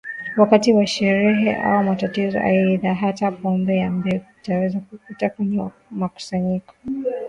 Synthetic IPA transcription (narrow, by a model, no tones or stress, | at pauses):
wakatiwaʃɛɾɛɦɛʔa̰wumatatizɔ̰ʔa̰jɛiðaɦatapɔmbɛambɛɡutawɛzakukutakwɛɲɛ | maku̥saɲikɔ̥